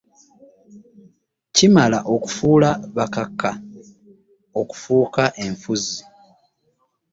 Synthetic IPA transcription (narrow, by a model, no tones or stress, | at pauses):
cimala̰ʔo̞ku̥fuːlaβakakːa | o̞ku̥fuːkaʔe̞ɱfuzi